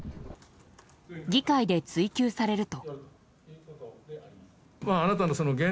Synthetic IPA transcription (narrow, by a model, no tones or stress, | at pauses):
ɡʲikaid̪e̞t͡sɨikʲɨːsaɾe̞ɾɯ̟t̪o̞ | maːnat̪anoso̞noɡẽ